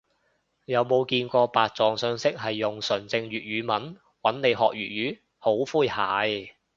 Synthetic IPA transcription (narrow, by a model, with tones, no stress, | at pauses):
jɐ˨˧wmo˨˧wkiː˧nkʷɔː˧paː˨t̚t͡sɔː˨˧ŋsœː˧˥ŋsɪ˥k̚ɦɐ˨jːʊ˨ŋsɵ˨˩nt͡sɪ˧ŋɥyː˨t̚ɥyː˨˧˥mɐ˨˥n | wɐ˨˥nne˨˧jɦɔː˨k̚ɥyː˨t̚ɥyː˨˥ | ho˨˥wfuː˥jha̰ː˨˥j